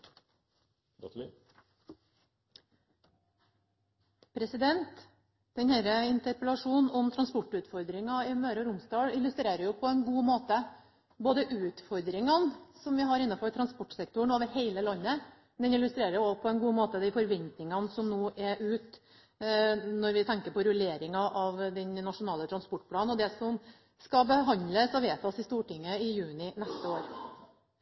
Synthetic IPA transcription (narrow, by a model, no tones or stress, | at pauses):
pʰɾɛsɪd̪ɛnt̪ | d̪̥ɛnhæːɾəɪnt̪əɾpəlɑʂuːnɔmt̪ʰɾɑnspɔʈːʉt̪fɔɾd̪ɾɪŋɑɪmøːɾəɾʊmsd̪ɑːɽɪlːʉst̪ɾeːɾəɾjʊpʰɔɛnɡuːmoːt̪ə | boːd̪əʔʉːt̪fɔɾd̪ɾɪŋɑnsɔmʋɪɦɑɾɪnːɑfɔʈʰɾɑnspɔʈːsɛk̚t̪ʊɳoːʋəɾheɪləlɑnːə | d̪ɛnɪlʉst̪ɾeːɾəɾjʊɔpʰɔɛnɡuːmoːt̪əd̪æɪfɔɾʋɛnt̪nɪŋɑnsɔmnoːʔɛʔʉːt̪ | nɔɾʋɪt̪ʰɛŋkəɾpɔɾʊleːɾɪŋɑʔɑʋd̪ɛnnɑtʂʊnɑːlət̪ʰɾɑnspɔʈːpʰlɑːn̩ɔd̪ɛsɔm | skɑbəɦɑnd̪ləsɔʋeːt̪ɔsɪst̪uːʈɪŋːəɪjʉːnɪnɛst̪əoːɾ